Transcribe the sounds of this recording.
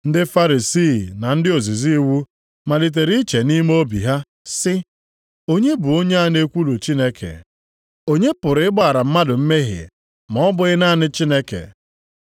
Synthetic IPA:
n̩˦dɪ˦fa˦ɾi˨si˦˨na˨n̩˦dɪ˦o˨zi˨zi˦wu˦ | ma˨di˨t̬e˨ɾi˦t͡ʃe˨ni˦m˦o˦bi˨ɦa˦ | sɪ˦ | o˦ɲe˦bʊ˨o˦ɲe˦a˦˨n˦e˦kʷu˦lu˨t͡ʃi˦ne˦kʰḛ˨ | o˦ɲe˦pʊ˨ɾɪ˨ɪ˦ɡ͡ba˦˨ɾa˨m̩˦ma˦dʊ˨m̩˦me˦ɦɪ̰˨ | mɔ˨ɔ˦bʊ˨ɪ˦na˦˨nɪ˦t͡ʃi˦ne˦kḛ˨

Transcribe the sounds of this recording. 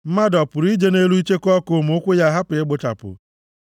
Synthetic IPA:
m̩˦ma˦dɔ˨pʊ˨ɾi˦d͡ʒe˦ne˦lu˦i˦t͡ʃe˦kɔ˦ko˨mʊ˦kʷʊ˦ja˦ɦa˦pʊ˨ɪ˦ɡ͡bʊ˦ta̰˨pʊ̰˨

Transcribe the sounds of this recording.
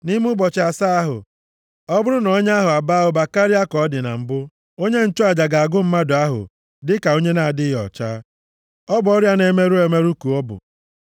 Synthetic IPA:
ni˦m˦u˦bɔ˨t͡ʃa˨sa˦a˦ɦʊ̰˨ | ɔ˦bʊ˦ɾʊ˦nɔ˦ɲ˦a˦ɦʊ˨a˨ba˦ɦʊ˨ba˨ka˦ɾi˦a˦kɔ˨˦dɪ˨na̰˨m̩˦bʊ˦ | o˦ɲe˦n̩˦t͡ʃʊ˦a˨d͡ʒa˨ɡa˨a˨ɡʊ˦m̩˦ma˦dʊ˨a˦ɦʊ̰˨ | dɪ˦ka˨o˦ɲe˦na˨a˨dɪ˦ɦɔ̰˨t͡ʃaː˦ | ɔ˦bʊ˨ɔ˦ɾja˦ne˨˦me˦ɾu˦e˨˦me˦ɾu˦ku˨ɔ˦bʊ̰˨

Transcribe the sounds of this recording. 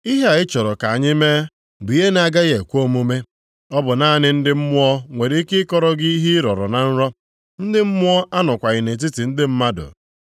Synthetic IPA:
i˦ɦa˨ɪ˦t͡ʃɔ˨ɾɔ˨ka˨a˨ɲɪ˦meː˦ | bʊ˨˦e˦n˨a˨ɡa˦ɣe˨kʷo˦mu˦me˦ | ɔ˦bʊ˨na˦nɪ˦n̩˦dɪ˦m̩˦mʊ˦ɔ˦ŋʷe˨ɾi˨˦kɪ˦kɔ˦ɾɔ˦ɡɪ˦i˦ɦi˦ɾɔ˨ɾɔ̰˨na˨n̩˦ɾɔ˦ | n̩˦dɪ˦m̩˦mʊ˦ɔ˦ʔa˦nɔ˨kʷa˨ɣɪ˨ne˨t̬i˦ti˨n̩˦dɪ˦m̩˦ma˦dʊ̰˨

